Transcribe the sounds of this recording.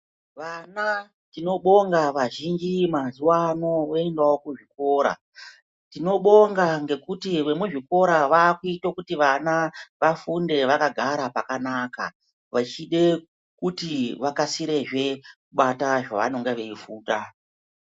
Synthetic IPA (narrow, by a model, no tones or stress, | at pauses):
ʋana | tino̞ɓo̞ŋɡaʋaʒind͡ʒimazuwano̞oendawo̞kuʐiko̞ːɾa̰ | tino̞ɓo̞ŋɡaŋɡe̞kutiʋe̞mweʐiko̞ɾaʋaːkuitokutiʋanaʋafunde̞ʋakaɡʱaɾapakanaːka̰ | ʋat͡ʃiɗe̞ | kutiʋakasiɾe̞ʐe̞kuɓataʐa̰ʋa̰noŋɡeʋe̞ifuːta